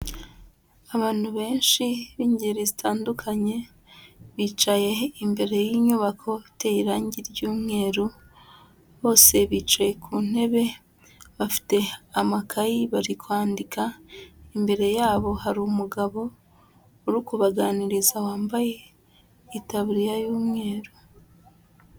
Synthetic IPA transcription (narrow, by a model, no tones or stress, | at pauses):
aβaːn̥huβe̞ːnʃiβiːɲɟiɾizitʰaːndukʰaɲe̞ | βiːt͡ʃaje̞imbe̞ɾe̞jiɲuβakʰo̞teiɾaːɲɟiɾɟuːmŋe̞ːɾu | βo̞ːse̞βit͡ʃaje̞kʰun̥e̞βe̞ | βafi̥te̞amakʰajiβaɾikwaːndikaimbe̞ɾe̞jaːβo̞haɾumuɡaβo̞ː | ɾukuβaɡaniɾizawaːmbaje̞ | itaβɾijajuːmŋe̞ːɾu